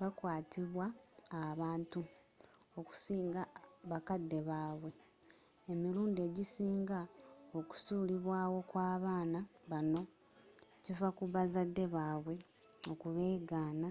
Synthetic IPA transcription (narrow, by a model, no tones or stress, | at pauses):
βakwaːtiβwaːβaːntu | o̞ku̥siːŋɡaβakadːe̞βaːβwe̞ | emiɾuːnde̞ːɟisiːŋɡao̞ku̥suːliβwaːwo̞kwaːβaːnaβano̞ | civakuβazadːe̞βaːβwe̞ | o̞kuβe̞ːɡaːna